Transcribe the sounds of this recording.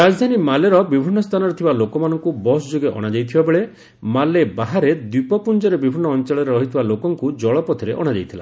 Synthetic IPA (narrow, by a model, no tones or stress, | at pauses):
ɾad͡ʒɔd̪ʱanimaleɾɔbibʱinːɔst̪ʰanɔɾet̪ʰibalokɔmanɔŋkubɔsd͡ʒoɡeʔɔ̰ɽ̃ad͡ʒajt̪ʰibabeɭe | malebaɦaɾed̪ipɔpund͡ʒɔɾebibʱinːɔːnt͡ʃaɭɔɾeɾɔɦit̪ʰibalokɔŋkud͡ʒɔɭɔpɔt̪ʰiɾeʔɔɽ̃ad͡ʒa̰jt̪ʰila̰